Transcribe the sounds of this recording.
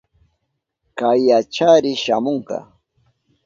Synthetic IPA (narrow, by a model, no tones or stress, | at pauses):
kajːat͡ʃaɾɪʃamoɴkɑ̰